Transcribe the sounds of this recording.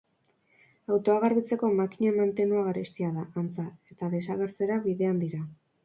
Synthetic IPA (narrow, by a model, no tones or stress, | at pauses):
awt̪o̞aɣaɾβit͡se̞ko̞makiɲamant̪e̞nuaɣaɾest̪iaðaʔant͡sae̞t̪aðe̞saɣe̞ɾt͡se̞ɾaβiðe̞and̪iɾa